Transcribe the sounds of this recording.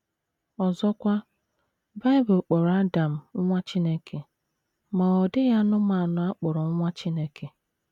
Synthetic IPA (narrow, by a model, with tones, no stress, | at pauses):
ɔ˨zɔ˦kʷa˦ | ba˦ɪ˦bʊ˨k͡pɔ˨ɾa˦da˨m̩˨ŋ̩˦ŋʷa˦t͡ʃi˦ne˦kʰe˨ | ma˨ɔ˨dɪ˦ja˦nʊ˦ma˨nʊ˨a˦k͡pɔ˨ɾɔ˨˦ŋʷa˦t͡ʃi˦ne˦kʰe˨